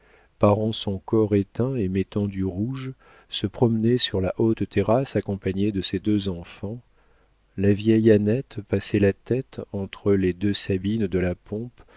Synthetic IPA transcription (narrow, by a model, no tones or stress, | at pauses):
paʁɑ̃sɔ̃kɔʁet̪ɛ̃emɛt̪ɑ̃d̪yʁuʒ | səpχɔmnɛsyʁlaʔot̪ːɛʁasakɔ̃paɲed̪əsed̪øzɑ̃fɑ̃ | lavjɛjanɛt̪pasɛlat̪ɛt̪ɑ̃t̪χəled̪øsabind̪əlapɔ̃p